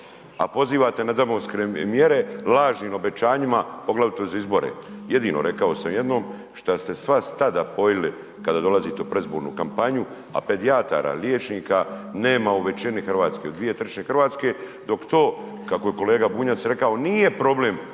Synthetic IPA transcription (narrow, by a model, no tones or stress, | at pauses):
a̰po̞ziːʋat̪e̞nad̪amoskɾemjeɾe̞laːʒniːno̞be̞t͡ʃaːɲimapo̞ɡlaʋit̪ozaizbo̞ɾḛje̞d̪iːno̞̰ɾe̞kaosamje̞d̪no̞ːm | ʃt̪ast̪e̞sʋast̪ad̪apo̞jili | kad̪aːd̪o̞lazit̪eupɾezboːɾnṵkampaɲu | a̰pe̞d̪iat̪a̰ːɾa̰ljeːt͡ʃniːkane̞ːmauʋe̞t͡ʃinixrʋaːt̪ske̞od̪ʋije̞t̪rɾt͡ʃɲe̞xr̩ʋaːt̪ske̞d̪o̞kt̪o̞ːkakoje̞ko̞le̞ːɡabuːɲat̪sɾe̞kao̞niːje̞pɾo̞ble̞m